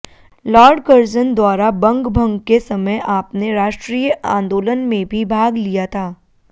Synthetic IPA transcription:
lɔːɾɖkəɾd͡ʒənd̪waːɾabɐ̃ŋɡbʱɐ̃ŋɡkesɐməjʔaːpneɾaːʃʈɾiːjəʔã̰ːnd̪oːlənmẽbʱibʱaːɡlijat̪ʰaː

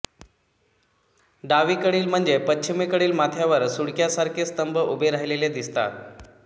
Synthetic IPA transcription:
ɖaʋiːkəɽiːlm̤əɳd͡zepət͡ɕʰimikəɽiːlmat̪ʰjaʋəɾsuɽkjasaɾkʰiːst̪əmbəʔubʱeɾaɦileled̪ist̪a̰

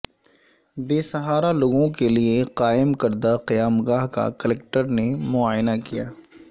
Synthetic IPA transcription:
beːsɐɦaːɾaloːɡõkelieqaːɪmkɐɾd̪aqɪjaːmɡaːɦka̰kəlɛk̚ʈəɾnemʊaːjnakijaː

